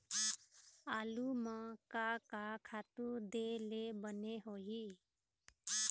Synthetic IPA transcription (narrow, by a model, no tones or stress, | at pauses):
aːlumãkakakʰaːt̪ud̪elebəneɦoɦi